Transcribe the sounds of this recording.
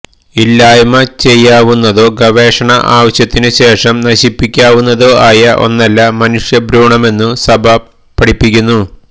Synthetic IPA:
ilːaːjmɐt͡ɕe̞jːaːʋunːɐðo̞ːɡɐʋe̞ːʂɐɳɐʔaːʋɐɕjɐt̪ːinɨɕe̞ːʂɐmnɐɕipːikʲːaːʋunːɐðo̞ːʔaːjɐʔo̞̰nːɐlːɐmɐnuʂjɐbɾuːɳɐme̞nːɨsɐbʱɐ | pːɐɽipːik̬ʲːunːu

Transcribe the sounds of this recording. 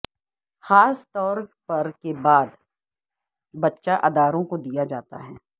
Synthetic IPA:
xaːst̪ɔːɾpɐɾkebaːd̪ | bɐtːʃaʔɐd̪aːɾõkod̪ijad͡ʒaːt̪a̰ɦɛː

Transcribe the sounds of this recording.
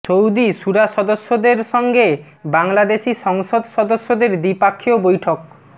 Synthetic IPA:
t͡ʃowd̪iʃuɾaʃɔd̪oʃːod̪eɾʃɔŋɡe | baŋlad̪eʃiʃɔŋʃod̪ʃɔd̪oʃːod̪eɾd̪ipakʰːiobojʈʰok̚

